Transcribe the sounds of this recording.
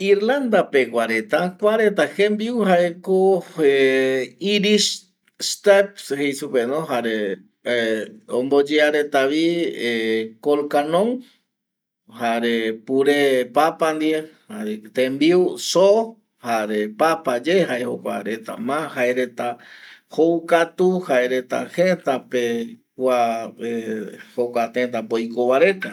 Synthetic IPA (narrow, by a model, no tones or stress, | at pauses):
iɾland̪apekʷaɾet̪akʷaɾet̪ahembiwhaekoe | iɾis | st̪epshejsupenõɦaɾe | õmbod͡ʒeaɾet̪aʋiekolkanõŋ | haɾepuɾepapand̪iehaet̪ẽmbiwso | haɾepapad͡ʒeɦaehokʷaɾet̪a̰mãhaeɾet̪ahoukat̪uhaeɾet̪a̰het̪apekʷaehokʷat̪ẽt̪̬apojkoʋaɾet̪a